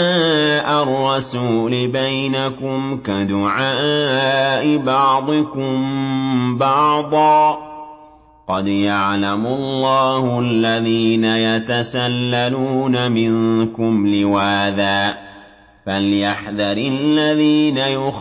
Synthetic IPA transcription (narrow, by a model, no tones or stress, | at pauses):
aʔarˤːɑsuːlɪbajnakʊmkad̪ʊʕaː | ʔɪbɑʕd̪ˤɨkʊmbɑʕd̪ˤɑː | qɑd̪jaʕlamʊlˤːɑːhʊalːaðiːnajat̪asalːaluːnamɪŋkʊmlɪwaːðaːʔ | faljaħðɑɾɪllːaðiːnajʊ